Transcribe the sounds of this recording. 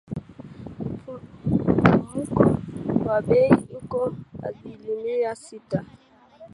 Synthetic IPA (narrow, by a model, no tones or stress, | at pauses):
umukɔwabeiukɔa̰zilimiasita